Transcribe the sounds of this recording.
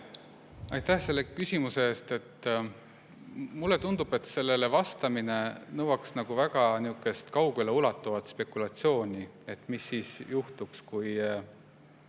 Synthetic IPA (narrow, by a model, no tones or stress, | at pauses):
ɑjt̪æhse̞lːe̞kysʲimuse̞eːst̪e̞t̪ː | mulːe̞t̪und̪̥ub̥e̞t̪se̞lːe̞le̞vɑst̪ɑmine̞nɤwɑksnɑɡ̥uvæɡ̥ɑniukːˑe̞st̪kɑwɡuleulɑt̪ːˑuvɑt̪spe̞kːˑulɑt̪sio̞ːnʲi | e̞t̪misːiːsjuht̪ukskuj